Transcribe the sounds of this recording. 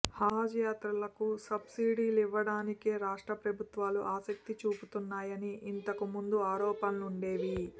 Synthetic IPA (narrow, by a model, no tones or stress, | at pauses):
haːd͡ʒjaːt̪ɾɐlɐkusɐbsiːɖiːliʋːɐɽaːnike̞ːɾaːʂʈɾɐpɾɐbʱut̪ʋaːluʔaːsɐk̚t̪it͡ʃuːput̪unːaːjɐniint̪ɐkumund̪uaːɾɔːpɐnluɳɖe̞ːʋi